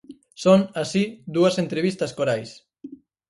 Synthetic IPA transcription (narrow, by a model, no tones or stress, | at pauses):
sonasid̪uɐsent̪ɾeβist̪ɐskoɾajs